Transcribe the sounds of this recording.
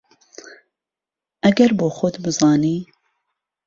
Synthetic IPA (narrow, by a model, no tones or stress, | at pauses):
ɐɡɛɾboːxʊd̪bɨzɑːniː